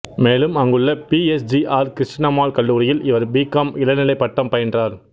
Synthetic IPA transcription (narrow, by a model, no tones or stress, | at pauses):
meːlɯmɐŋɡɯɭːɐpiːɛsd͡ʒiʔaːɾkɾɪʂʈnɐmaːɭkɐɭːuːɾɪjɪlɪʋɐɾbiːkɐmɪlɐnɪlɐɪpːɐʈːɐmpɐjɐndraːɾ